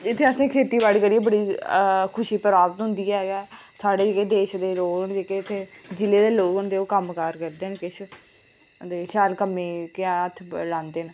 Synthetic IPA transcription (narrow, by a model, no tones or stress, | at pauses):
ɪt̪ʰːeːəsẽːkʰeːt̪iːbaːɽiːkəɾiːeːbəɽiːkʰʊʃiːpəɾaːbət̪ɦʊ̃nd̪iːɛːɡɛː | saːɽeːd͡ʒeːkeːd̪eːʃd̪eːɾoːɾəɳd͡ʒeːkeːɪt̪ʰːeːd͡ʒɪleːd̪eːloːkʊnd̪eːoːkəmkaːɾkəɾd̪eːnkɪt͡ʃʰ | d̪eːʃaːlkəmːẽːkːət̪ʰːlãːnd̪eːn